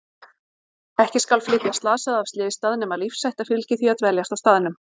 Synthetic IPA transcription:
ɛhcɪskalflɪt̪jast̪laːsaðavst̪lɪːvist̪aðɪnʏmaðlifsːajht̪afɪlcɪθviat̪vɛljast̪ḁst̪aðɪnʏm

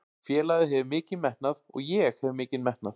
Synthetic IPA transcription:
fjɛːlaðɪɦɛvɪmɪːcɪðmɛhnaðɔ̰ɣjɛɣhɛvmɪːcɪðmɛhnaθ

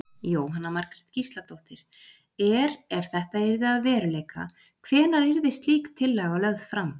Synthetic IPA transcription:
joːwɦanːamaɾkɾɛt̪cist̪lat̪owht̪ɪɾ̥ | ɛɾɛv̥θɛht̪aɛɾðɪaðvɛːɾʏleːjka̰ | kʰvɛːnaɾeɾvɪst̪liːkt̪ʰːɪlːɛɣalœðð̥fɾam

